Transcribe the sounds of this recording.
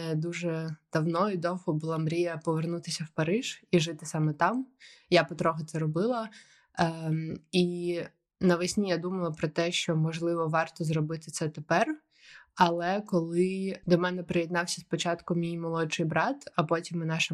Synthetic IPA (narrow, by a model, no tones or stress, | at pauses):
d̪uʒɛd̪̥ɐwnɔid̪ɔwhɔbʊlˠamɾʲijɐpɔʋernut̪ɪsʲɐwpɐɾɪʒ̥iʒɪt̪ɪsɑmɛt̪ɑmjapɔt̪ɾɔɦɛt̪sɛɾɔbɪlˠɐ | i | nɐʋɐsʲnʲijad̪umɐlˠɐpɾɔt̪ɛʃt͡ʃɔmɔʒlˠɪʋɔʋɑrt̪ɔzrɔbɪt̪ɪt̪sɛt̪epɛr | ɐlˠɛkɔlˠɪd̪ɔmɛnɛpɾɪjɛd̪nɑwsʲɐspɔt͡ʃɑt̪kʊmʲijmɔlˠɔt͡ʃɪjbɾɑt̪ɐpɔtʲimɪnɑʃɪ